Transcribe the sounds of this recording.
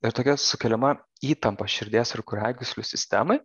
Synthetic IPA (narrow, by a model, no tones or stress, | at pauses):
ɪɾt̪oːkʲɛsʊkʲɛlʲɪmɐ | iːt̪ɐmpɐʃʲɪɾʲd̪ʲeːsɪɾkʊɾʲæːɡʲʊsʲlʲʊsʲɪsʲt̪ʲæ̰mɐɪ